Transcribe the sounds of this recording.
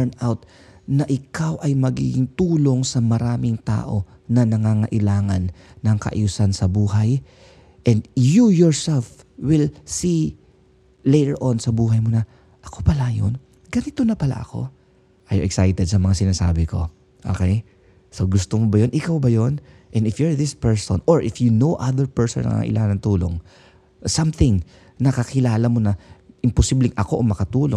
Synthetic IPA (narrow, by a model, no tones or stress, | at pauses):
ɛɹnawt̪̚ | nɐʔɪkawʔɐjmɐɡḭɡɪŋt̪uːlo̞ŋsɐmɐɾaːmɪŋt̪a̰ːʔo̞ | nɐnɐŋaːŋɐʔɪlaːŋɐnːɐŋkɐ̰ʔɐ̰juːsɐnsɐbuːɦaj | ʔɛnd̪jujoɹsɛlf | wɪlsi | lejɾɛɹʔonsɐbuːɦɐjmonɐ | ʔɐko̞pɐlajo̰n | ɡɐnɪt̪onɐpɐla̰ʔɐ̰ko̞̰ | ʔaj̰ɛksajt̪ɛd̪̚sɐmɐŋasɪnaːsa̰ːbɪko̞̰ | ʔo̰kej | sowɡʊst̪omobɐjonʔɪkawbɐjonʔɛ̃nɪfjoɹðɪspɛɹso̰noɹʔɪfjunowʔaðɛɹpɛɹsonɐ̰ŋ̰aɐ̰ʔɪ̰lʔaːŋɐnɐŋt̪uːlo̰ŋ | sɐmθɪŋ | nɐkɐkɪlaːlɐmo̞nɐʔɪmposiblɪŋʔɐko̞ʔomɐkɐt̪uːlo